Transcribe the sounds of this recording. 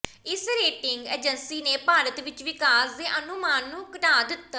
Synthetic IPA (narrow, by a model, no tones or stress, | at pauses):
ɪsɾeːʈɪŋɡḛːd͡ʒənsiːneːpaːɾət̪ʋɪt͡ʃʋɪkaːsd̪eːʔənʊmaːnːũːkəʈaːd̪ɪt̪ː